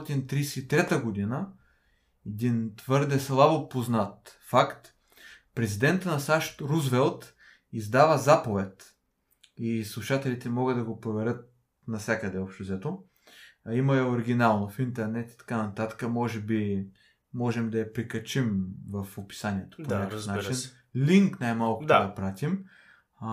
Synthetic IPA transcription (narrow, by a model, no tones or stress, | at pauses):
t̪int̪ɾijsɛːt̪ɾɛt̪əɡod̪inə | ɛd̪int̪vɤɾd̪ɛslˠabopoznat̪fakt̪ | pɾɛzid̪ɛnt̪nɐsaʃt̪ɾuzvɛlˠt̪ | izd̪avəzapovɛt̪ | islˠuʃat̪ɛlit̪ɛmɔɡəd̪d̪ɐɡopɾovɛɾʲɤt̪̚ | nɐfsʲjakəd̪ɛɔpʃt̪ozɛt̪o | imɐɛoɾiɡ̟ʲinalˠnofint̪ɛɾnɛt̪i̥t̪ɐ̥kanɐt̪at̪ə̥kəmɔʒɛbi | mɔʒɛmd̪ɐjɐpɾikɐt͡ʃimvɐfopi̥saniɛt̪o̥ponʲakəfnat͡ʃinn | liŋknajmalˠkʊ̥d̪d̪ɐpɾat̪im